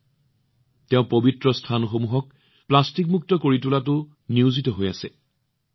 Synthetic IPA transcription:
tɛʊ̃pobitɹɔstʰanɔxomuɦɔk̚ | plastik̚muk̚tɔkoɹitulatʊ | niuzitɔɦoja̰sɛ

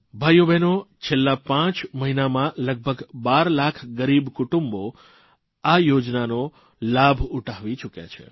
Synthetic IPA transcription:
bʱajubʱɛnot͡ʃʰelːapãt͡ʃməɦinamãləɡ̚bʱəɡbaɾlakʰɡəɾibkʊʈumbo | ajod͡ʒnano | labʱuʈʰaʋit͡ʃukja̰t͡ʃʰḛ

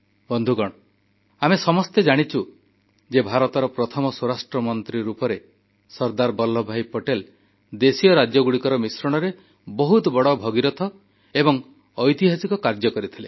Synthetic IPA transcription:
bɔnd̪ʱuɡɔɽ̃ɔ | amesɔmɔst̪ed͡ʒaɽ̃it͡ʃʰu | d͡ʒebʱaɾɔt̪ɔɾɔpɾɔt̪ʰɔmɔsuɾasʈɾɔmɔnt̪ɾiɾupɔɾe | sɔɾd̪aɾbɔlːɔbʱajpoʈel | d̪esijɔɾad͡ʒjɔɡuɽikɔɾɔmisɾɔɽ̃ɔɾe | bɔɦut̪ɔbɔɽɔbʱɔɡiɾɔt̪ʰɔ | ebɔŋ | ɔjt̪iɦasikɔkaɾd͡ʒɔkɔɾit̪ʰile

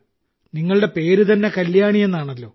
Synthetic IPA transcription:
niŋːɐɭɨɽe̞pe̞ːɾut̪ɐnːe̞kɐljaːɳije̞nːaːɳɐlːo̞̰ː

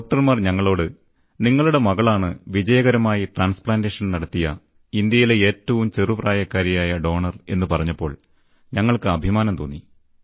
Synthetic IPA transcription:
doːk̚ʈɐrmaːrɲɐŋːɐɭo̞ːɽɨ | niŋːɐɭuɽe̞mɐɣɐɭaːɳɨʋid͡ʑɐjɐɣɐɾɐmaːjiʈraːnspɭaːnde̞ːʂɐnnɐɽɐt̪ːijɐ | ind̪jɐjile̞eːtːɐʋumt͡ɕerupraːjɐkːaːɾjɐjaːjɐɖo̞ːɳɐre̞̰nːɨpɐrɐɲːɐpːo̞ːɭ | ɲɐŋːɐɭkɨɐbʱimaːnɐmt̪oːnːi

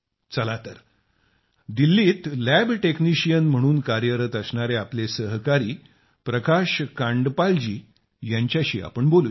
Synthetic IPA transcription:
t͡səlat̪əɾ | d̪ilːiːt̪læbʈekniɕijənm̤əɽ̃uːnkaɾjəɾət̪əsɳaɾeaplesəɦkaɾiː | pɾəkaɕkãɳɖpald͡ʑiː | jaɲt͡ɕjaɕḭːa̰pəɳbolu

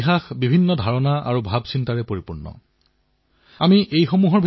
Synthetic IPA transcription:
xaxbibʱinːɔdʱaɹɔnaʔa̰ɹubʱabsintaɹɛpoɹipuɹnɔ̰ | amiʔejxomuɦɔɹbʱ

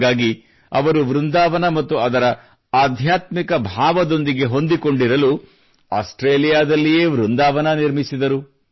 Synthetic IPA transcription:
ɡaːɡi | ɐ̰ʋɐɾuʋɾund̪aːʋɐnɐmɐt̪ːuɐd̪ɐɾɐ | aːd̪ʱjaːt̪mikɐbʱaːʋɐd̪o̞nd̪iɡe̞ɦo̞nd̪iko̞ɳɖiɾɐlu | aːsʈɾeːlijaːd̪ɐlːijeːʋɾund̪aːʋɐnɐniɾmisid̪ɐɾu

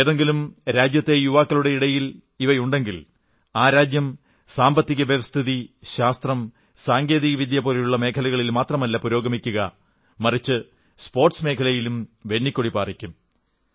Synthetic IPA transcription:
eðeŋɡilumɾaːd͡ʑjɐt̪ːe̞juʋaːkːɐluɽe̞iɽɐjil | iʋɐjuɳɖe̞ŋɡil | aːɾaːd͡ʑjɐm | saːmbɐt̪ːiɣɐʋjɐʋɐst̪ʰiðiɕaːst̪rɐm | saːŋɡe̞ːðiɣɐʋid̪jɐpoɾɐjuɭːɐme̞ːkʰɐlɐɣɐɭilmaːt̪rɐmɐlːɐpuɾo̞ːɡɐmikʲːuɣɐ | mɐrit͡ɕːɨ | spo̞ːrʈsme̞ːkʰɐlɐjilumʋe̞ɳːikʲːoɽipaːrikʲːum

